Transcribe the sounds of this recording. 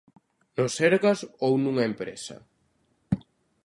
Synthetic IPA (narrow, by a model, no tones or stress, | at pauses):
nʊseɾɣɐsownũŋɐempɾḛsɐ̰